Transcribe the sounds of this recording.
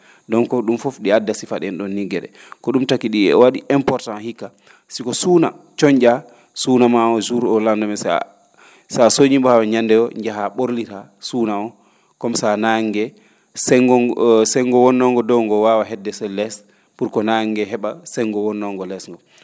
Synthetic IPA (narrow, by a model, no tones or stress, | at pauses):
dɔnkɔɗumfɔfɗiadːasifaɗɛnɗɔnːiɡɛɗɛ̰kɔɗumtakːiɗiɛ̰waɗiʔɛmpɔɾtanhikːa | sikɔsuːna | t͡ʃɔɲd͡ʒa | suːnamaɔzuɾɔlandɔmɛs | ssoɲimbɔhawaɲandɛɔɲd͡ʒaɦaɓoɾlitasuːnaɔ | kɔmsanaŋɡɛ | sɔsɛŋɡɔwɔnːɔŋɡɔdɔwŋɡɔwawaɦɛdːɛsɛlɛs | puɾkɔnaŋɡɛɦɛɓasɛŋɡɔwɔnːɔŋɡɔlɛsŋɡɔ